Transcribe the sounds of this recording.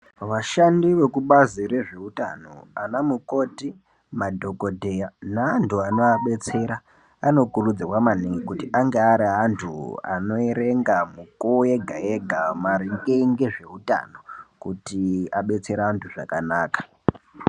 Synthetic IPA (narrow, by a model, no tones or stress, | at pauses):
ʋaʃandiʋe̞kuɓazire̞ʐe̞uta̰no̞̰anamuko̞ːti | madʱo̞ko̞dʱejanaantʰuano̞aɓe̞t͡se̞ɾa | ano̞kurud͡zirwamaniŋɡikutiʔaŋɡeaɾiɦantʰṵa̰no̞eɾeŋɡamukueɡʱa̰eɡʱamaɾiŋɡeŋɡeʐe̞uta̰no̞kutiaɓe̞t͡se̞ɾaɦantʰuʐa̰kanaːkḁ